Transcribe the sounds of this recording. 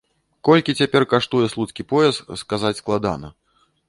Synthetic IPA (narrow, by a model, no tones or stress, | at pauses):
kɔlʲkʲit͡sʲapʲɛrkaʂt̪ujɛslˠut̪skʲipɔjɛst̪skazat͡sʲsklˠad̪a̰nɐ̰